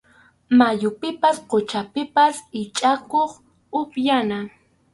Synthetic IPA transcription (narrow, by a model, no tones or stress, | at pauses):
majʊpɪpasqot͡ʃapɪpasɪt͡ʃʼakoχ | ʊpjana